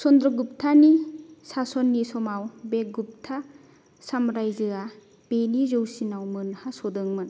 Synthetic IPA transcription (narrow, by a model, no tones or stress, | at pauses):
sɔnd̪ɾɔɡup̚tʰanisasɔnːisɔmawbeɡup̚tʰa | samɾajzɯa | b̥enizowsinawmɯnhasɔdɯŋmɯn